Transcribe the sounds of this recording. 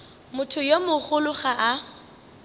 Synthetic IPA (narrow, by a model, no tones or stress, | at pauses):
mʊtʰʊjomʊχʊlʊχaʔa